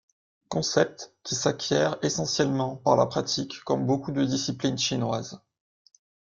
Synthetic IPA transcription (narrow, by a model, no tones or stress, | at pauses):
kɔ̃sɛp̚t̪kʲisakʲʰjɛʁesɑ̃sjɛlmɑ̃paʁla̰pχat̪ikːɔmbokud̪əd̪isiplinʃinwaz